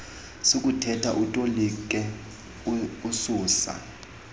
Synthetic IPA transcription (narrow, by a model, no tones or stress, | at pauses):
sok̬ʼutʰɛtʰaʔutʼolik̬ʼɛ | usuːsa̰